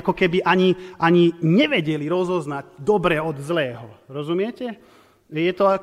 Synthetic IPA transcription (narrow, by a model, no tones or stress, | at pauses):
kɔkɛbiʔaɲiʔaɲiɲɛʋɛɟɛliɾɔzɔznaɟd̪ɔbɾɛɔd̪zlɛːɦɔɾɔzumɪɛcɛ | jɛt̪ɔa